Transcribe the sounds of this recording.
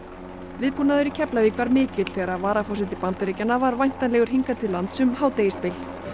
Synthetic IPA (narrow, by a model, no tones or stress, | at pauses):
vɪðpuːnaðʏɾicʰɛplavikʰvaɾmɪːcɪt̪l̥θɛːɣɾavaːɾafɔsɪt̪ɪpant̪aɾicanːavaɾvajn̥t̪anlɛɣʏɾ̥ɦiŋkat̪ʰɪllːant̪sʏmhaːwt̪eːjɪspɪl̥